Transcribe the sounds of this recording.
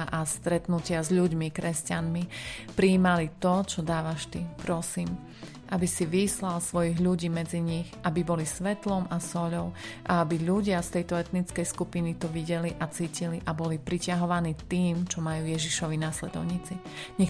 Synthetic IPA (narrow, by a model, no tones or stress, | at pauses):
ʔast̪ɾɛt̪nucɪazʎuɟmikɾɛscanmipɾiːmalit̪ɔt͡ʃɔd̪aːʋaʃt̪ipɾɔsiːm | ʔabisiʋislalsʋɔjiɣʎuɟiːmɛd͡ziɲiɣʔabibɔlisʋɛt̪lɔmasɔʎɔʊʔa̰abiʎuɟɪast̪ɛjt̪ɔɛt̪nit͡skɛjskupinit̪ɔʋiɟɛliʔat͡siːciliʔabɔlipɾicaɦɔʋaniːt̪iːmt͡ʃɔmajuːjɛʒiʃɔʋinaslɛd̪ɔ̰ʊɲit͡si | ɲɛ